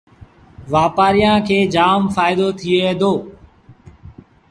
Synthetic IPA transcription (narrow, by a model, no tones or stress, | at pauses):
ʋaːpaːɾijãːkʰeːd͡ʒaːmfaːɪd̪oːt̪ʰɪeːeːd̪oː